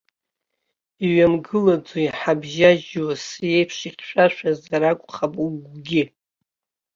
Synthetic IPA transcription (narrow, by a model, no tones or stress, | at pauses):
iɥamɡɨlad͡zoiħabʒaʒwasje̞jpʰʂiχʲʃʷᶣaʃʷᶣazaɾakʷʼχapʼuɡʷɡʲɪ